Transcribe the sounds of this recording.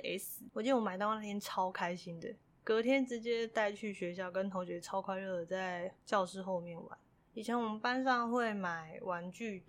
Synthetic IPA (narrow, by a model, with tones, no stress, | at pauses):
e˧˥ɪs̩˨˩wt͡ɕi˥˩˨wɔ˧˥ma˨˩ɪt̪ɑ˥˧ʊna˥˩jɛ˥nʈ͡ʂʰɑ˥ʊkʰa˥ɪɕi˦nd̪ə˨ | kɤ˧˥t̪ʰjɛ˥nʈ͡ʂɻ̩˧˥t͡ɕjɛ˦˥t̪a˥˧ɪt͡ɕʰy˥˩ɕɥɛ˧˥ɕ̬jɑ˥˩ʊkə˦nt̪ʰo˧˥ʊɕɥɛ˧˥ʈ͡ʂʰɑ˥ʊkʰwa˥ɪlɤ˥˩ə˩t͡sa˥˧ɪt͡ɕjɑ˥˧ʊʂɻ̩˥˧xo˥˧ʊmjɛ˥˩nwa̰˧˦n | i˨˩t͡ɕʰjɛ˧˥nwɔ˨˩mə˦pa˦˥nʂ̬ɑ˥˧ŋxwe˥˩ɪma˨˩ɪwa˧˥nt͡ɕy˥˩